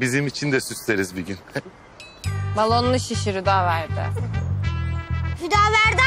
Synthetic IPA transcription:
bizimit͡ʃʰind̪ɛsysleɾizbiɟyn | malˠonlˠuʃiʃiɾyd̪aːvæɾd̪ɪ̰ | hyd̪aːvæɾd̪ɪ

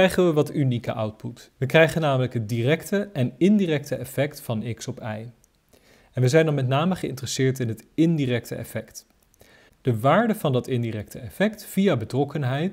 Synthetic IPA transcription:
ɛjχənʋəʋɑtynikə̰ʔʌwt̚putʋəkrɛjχənːaːmələkɦətdirɛktəɛnɪndiːrɛktəɛfɛktfɑnɪksɔpɛj | ɛnʋəzɛjndɑnmɛt̬naːməχəɪ̰ntərəsɪːɹtɪnɦətɪndiːrɛk̚təʔɛ̰fɛkt | d̥əʋaːɹdəvɑndɑtɪndirɛk̚tʰəɛfɛktfijabətrɔkənɦɛjt

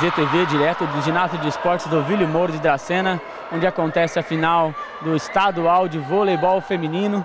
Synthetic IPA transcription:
ʒet̪eved͡ʒiɾɛt̪ʊd̪ʊʒinazʊd͡ʒɪɪspɔɾt͡ʃɪzd̪ʊvilʊmoɾʊd͡ʒɪd̪ɾasẽnɐ | õñd͡ʒɪakõnt̪ɛsɪɐfinaw | d̪ʊɪst̪ad̪uawd͡ʒɪvolejbɔwfemĩnĩnʊ

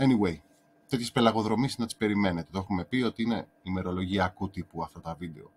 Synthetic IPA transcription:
eniwe̞j | t̪et̪çe̞spe̞lɐɣo̞ðɾo̞misnɐt̪i̥spe̞ɾime̞net̪et̪oexume̞pio̞t̪iine̞ | ime̞ɾo̞lo̞ʝiɐkut̪ipuɐft̪ɐt̪ɐvid̪e̞o̞̰

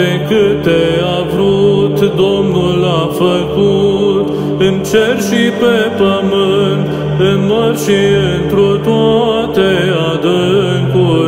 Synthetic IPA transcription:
ekɨt̪eavɾut̪d̪omnulafəkut̪ | ɨnt͡ʃeɾʃipepəmɨnt̪ | ɨnmoɾʃiɨnt̪ɾot̪wat̪ead̪ɨŋku

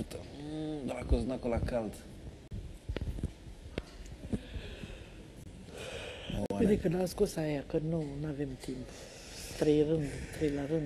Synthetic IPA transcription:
t̪əd̪alakoznakolakalt̪ | ed̪ekəd̪askosajakənunavemt̪imp | t̪ɾejrɨnd̪t̪ɾejlaɾɨn

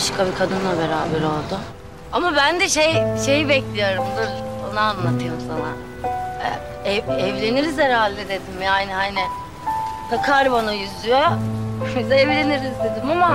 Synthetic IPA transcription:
baʃkʰabikʰad̪ɯnlˠabeɾaːbɛɾo̞lˠd̪ʊ | amabænd̪ɛʃejʃe̞jibɛclʲijo̞ɾumd̪ɯɾbanaanlˠat̪ʰɯjomsana | ɛ̰ | ɛɛvlʲe̞niɾizɛɾhalʲd̪ɛd̪e̞d̪imjaːnihanɪ | t̪ʰakʰaɾbanajyzyjobizɛvlʲe̞niɾizd̪e̞d̪imama

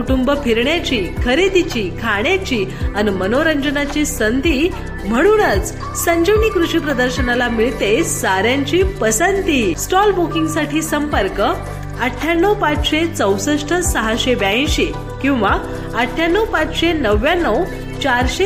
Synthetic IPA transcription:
uʈumbəpʰiɾɳjat͡ɕiːkʰəɾid̪it͡ɕiːkʰaɳjat͡ɕiːanmənoɾəɲd͡ʑənat͡ɕiːsənd̪ʱiː | m̤əɽ̃uːnət͡s | səɲd͡ʑəʋniːkɾuɕiːpɾəd̪əɾɕənalamiɭt̪esaɾjaɲt͡ɕiːpəsənt̪iːsʈɔlbokiŋɡsaʈʰiːsəmpəɾkə | əʈʰːjanːəwpat͡sɕet͡səwsəʂʈʰəsəɦaɕebjaĩɕe | kĩw̃ʋa | əʈʰːjanːəwpat͡sɕenəʋjanːəw | t͡ɕaɾɕe

